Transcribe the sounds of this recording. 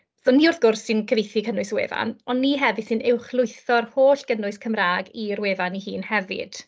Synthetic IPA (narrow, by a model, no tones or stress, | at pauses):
ðɔnːiʊrθɡ̥ʊrsːɪnkʰəvejθikʰənʊɨswḛːva̰nɔnːiɦɛvɨ̥sɪnɛwχlˠʊjθɔrhoːɬɡ̥ənʊɨskʰəmraːɡirweːvanihiːnhɛvɪ̰d̥